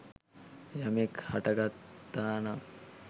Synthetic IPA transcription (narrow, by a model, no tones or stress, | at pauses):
jamekhaʈəɡat̪ːaːna